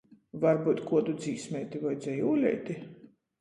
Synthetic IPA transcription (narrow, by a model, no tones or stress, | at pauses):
vaɾbuːt̪kuɔd̪ud̪ziːsmʲɛjt̪ivajd̪zʲɛjuːlʲɛ̰jt̪i